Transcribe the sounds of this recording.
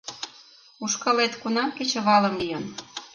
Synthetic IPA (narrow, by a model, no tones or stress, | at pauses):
uʃkɑlet̪kunɑmket͡ɕə̆βɑlə̆mlijən